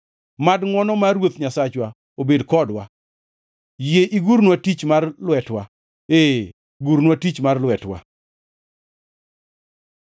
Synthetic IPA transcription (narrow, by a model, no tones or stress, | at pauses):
madŋɔnɔmaɾwot̪ɲasat͡ʃwa | obedkɔdwa | jeʔiɡuɾnwatit͡ʃmarlwɛtwa | e | ɡuɾnwatit͡ʃmarlwɛtwa̰